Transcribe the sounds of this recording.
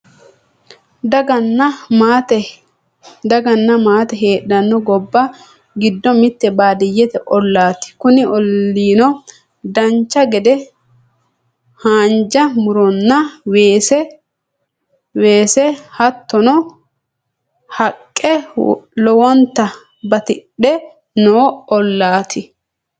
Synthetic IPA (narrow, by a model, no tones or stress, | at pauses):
d̪ɐɡɐnːɐmaːt̪ɛ | d̪ɐɡɐnːɐmaːt̪ɛɦe̞ːɗɐnːɔɡɔbːɐ | ɡɪd̪ːɔmɪt̪ːɛbaːd̪ɪjːɛt̪ɛʔɔlːaːt̪ɪ̥kʊnɪʔɔlːiːnɔ | d̪ɐnt͡ʃːɐɡɛd̪ɛ | haːnd͡ʒɐmʊɾɔnːɐweːsɛ | weːsɛhɐt̪ːɔnɔ | hɐkʼːɛlɔwɔnt̪ːɐ | bɐt̪ɪᶑɛ | noːɔlːaːt̪ʰɪ